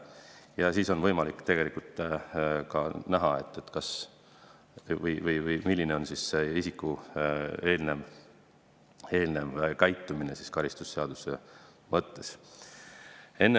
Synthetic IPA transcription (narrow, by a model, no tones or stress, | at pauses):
jɑsiːso̞nvɤjmɑlikːˑt̪e̞ɡ̥elikult̪ː | kɑnæɦɑe̞t̪ːˑet̪kɑs | vɤjvɤjvɯjmilʲːine̞o̞nsiseisikːˑu | e̞ːlne̞m | e̞ːlnemkæjt̪ːˑumine̞siskɑɾist̪usːeɑd̪̥usḛ | mɤt̪ːe̞s | e̞nːe